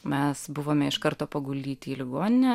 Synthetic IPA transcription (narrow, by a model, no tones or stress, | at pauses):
mʲɛsbʊʋoːmʲɛɪʃkɐɾt̪oːpɐɡʊlʲd̪ʲiːt̪ʲiːlʲɪɡoːnʲɪnʲɛ